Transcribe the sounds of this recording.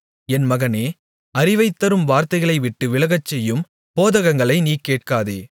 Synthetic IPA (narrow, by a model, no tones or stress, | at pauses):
ɛnmɐɣɐneː | ɐɾɪʋɐɪt̪ːɐɾɯmʋaːɾt̪ɐɪɣɐɭɐɪʋɪʈːɯʋɪɭɐɣɐt͡ʃːɛjːɯm | poːðɐɣɐŋɡɐɭɐɪniːkeːʈkaːðḛː